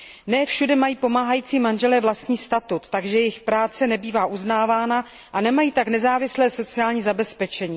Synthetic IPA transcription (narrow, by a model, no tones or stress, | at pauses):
nɛːfʃudɛmajiːpo̞maːɦajiːt͡siːmanʒɛlɛːvlast̪ɲiːst̪at̪ut̪ːaɡʒɛjɛjɪxpɾaːt͡sɛnɛbiːvaːʔuznaːvaːna | ʔanɛmajiːt̪aknɛzaːvɪslɛːso̞t͡sɪaːlɲiːzabɛspɛt͡ʃɛɲiː